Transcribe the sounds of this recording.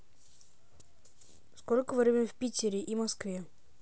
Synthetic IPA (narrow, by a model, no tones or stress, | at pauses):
sko̞lʲkəvɾʲemʲifʲpʲitʲɪɾʲɪʔimɐskvʲe